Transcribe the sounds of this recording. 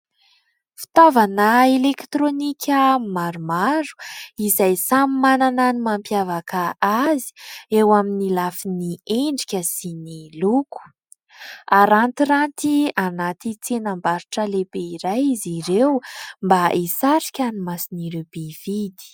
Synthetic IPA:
fi̥t̪avanaelekt̪ronikʰʲəmaɾumaɾu̥izajsamimanananimampjavakaazi̥ewaminilafinieɳɖ͡ʐi̥kʲəsiniluku̥ | aɾant̪iɾant̪ianat̪it͡senambaɾuʈ͡ʂəlebeiɾajiziɾewmbaʔisaɾi̥kʲanimasiniɾewb̥ev̥id̪i̥

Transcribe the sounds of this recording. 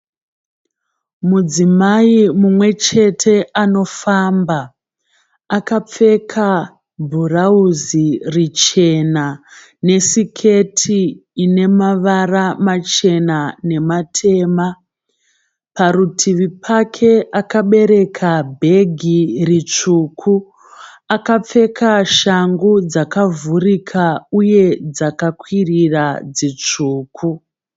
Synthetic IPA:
mud͡zimaimumwe̞t͡ʃe̞tʰe̞ano̞fambaː | kap͡fe̞kʰa | bʱurauzirit͡ʃe̞na | ne̞sikʰe̞tʰiːne̞maʋaramat͡ʃe̞nane̞matʰe̞ːma | paɾutʰiʋipʰakʰe̞ʔakaɓe̞ɾe̞kʰabʱe̞ɡʱirit͡ʂuːkʰu | akap͡fe̞kʰaʃaŋɡud͡zakavurikʰauje̞d͡zakakwirirad͡zit͡ʂuːkʰu

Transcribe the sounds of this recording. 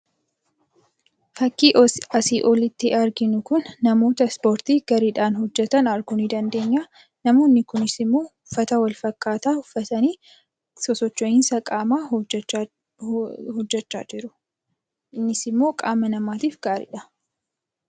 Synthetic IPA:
fɐkːiːʔɐsiʔɔlɪt̪ːɪɐɾɡɪnʊkʊnːɐmo̞ːt̪ɐspo̞ːɾt̪iːɡ̥ɐɾɪᶑaːnhɔd͡ʒːɛt̪ɐnɐɾɡʊnid̪ɐnd̪e̞ːɲːaː | nɐmo̞ːnːɪkʊnɪsɪmːo̞ːʊfːɐt̪ɐwɐlfɐkʼːaːt̪aːhʊfːɐt̪ɐniː | sɔsɔt͡ʃːoɪnsɐkʼaːmaː | hɔd͡ʒːɛt͡ʃːa̰ːd͡ʒɪɾʊ | ɪnːɪsɪmːo̞ːkʼa̰ːmːɐnɐmaːt̪iːfɡ̥aːɾɪ̰ᶑɐ

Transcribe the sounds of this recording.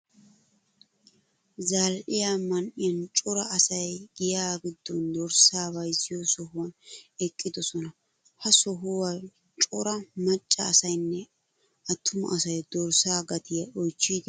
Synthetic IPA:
zaːlʔɪjamɐnʔɪjɐnt͡ʃʼɔɾɐɐsɐjɡɪjaːɡɪd̪ːɔnd̪ɔɾsaːbɐjsɪjɔsɔɦʊwɐnɛkʼːɪd̪ɔsɔnɐ | hɐsɔɦʊwa | t͡ʃʼɔɾɐmɐt͡ʃʼːɐːsɐjnːɛ | ɐt̪ʰːʊmʊ̰ʔɐsɐjd̪̥ɔɾsaːɡɐt̪ɪjɐɔjt͡ʃːiːd̪ɪ

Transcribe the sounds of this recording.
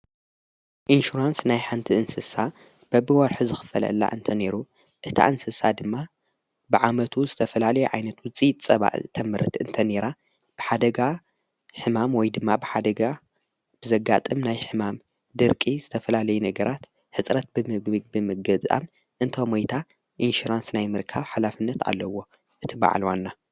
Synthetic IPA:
ʔinʃuɾansnajħant̪ʰiɨnsɨsa | b̥ɐbɨwɔɾħuzɨxɨ̥fɐ̰lɐ̰lːa̰ʔɨnt̪ʰɐne̞ɾu | ʔɨt̪ʰa̰ʔɨnsɨsad̪ɨmːa | bɨʕamɐt̪ʰuzɨt̪ʰɐfɐlalɐjuʕa̰jnɐt̪wut͡sʼit̪ʼt͡sʼɐβa̰ʔt̪ʰɐmɨɾɨt̪ɨnt̪ʰɐne̞ɾa | b̥ɨħad̪ɐɡa | ħɨmamwɔjd̪ɨmːabɨħad̪ɐɡa | b̥ɨzɐɡat̪ʼɨmnajħɨmam | d̪ɨɾkʼizɨt̪ʰɐfɐlalɐjunɐɡɐɾʔat̪ | ħɨsʼɾɐt̪̚bɨmɡbɨmɨɡɐzʼa̰m | ʔɨnt̪ʰomwojt̪ʰa | ʔinʃuɾansnajmɨɾkʰaβħalafɨnːɐt̪ʰa̰lːɐwo̞ | ʔɨt̪ʰiba̰ʕ̰lwa̰nːa

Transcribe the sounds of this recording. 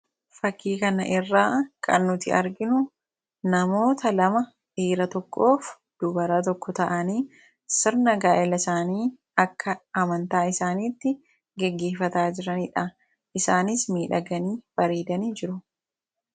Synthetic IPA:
fɐkʰːiːkɐnɐʔɪrːaːkʼɐ̰nːʊt̪ɪʔɐ̰ɾɡɪnʊ | nɐmo̞ːt̪ɐlɐmɐ | ʔiːɾɐt̪ɔkʰːo̞ːf | d̪̥ʊbɐɾaːt̪ɔkːɔt̪ɐʔɐniː | sɪɾnɐɡaːʔɛlɐɪsaːniː | ɐkːɐɐmɐnt̪aːɪsaːniːt̪ːɪ | ɡɛɡːe̞ːfɐt̪aːd͡ʒɪɾɐnɪᶑɐ | ʔɪsaːnɪsmiːᶑɐɡɐniːb̥ɐɾiːd̪ɐniːd͡ʒɪɾʊ

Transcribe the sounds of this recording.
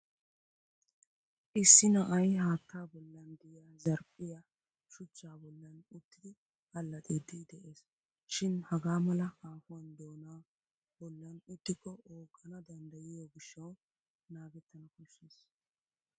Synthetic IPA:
ʔɪsːɪnɐʔɐjhaːt̪ʰːaːbɔlːɐnd̪ɪjaːzɐɾpʼːɪja | ʃʊt͡ʃːaːbɔlːɐnʊt̪ːɪd̪ɪ | ɐlːɐt̪ʼed̪ɪd̪ɛʔeːs | ʃɪnhɐɡaːmɐlɐkaːfʊwɐnd̪oːnaː | bɔlːɐnʊt̪ːɪkʼːɔʔoːkʼːɐnɐd̪ɐnd̪ɐjɪjɔɡɪʃːɐw | naːɡɛt̪ːɐnɐkʊʃːeːs

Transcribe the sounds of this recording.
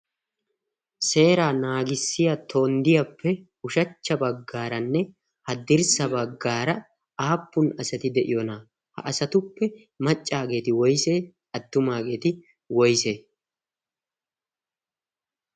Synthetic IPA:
se̞ːɾaːnaːɡɪsːɪjat̪ʰo̞ːnd̪ɪjɐpːɛ | ʊʃɐt͡ʃːɐbɐɡːaːɾɐnːɛ | hɐd̪ɪɾsɐbɐɡːaːɾɐ | aːpːʊnɐsɛt̪ɪd̪ɛʔɪjɔna | hɐ̰ʔɐsɐt̪ʊpːɛ | mɐt͡ʃʼːaːɡe̞ːt̪ɪwɔjse̞ː | ɐt̪ːʊmaːɡe̞ːt̪ɪ | wɔjse̞ː

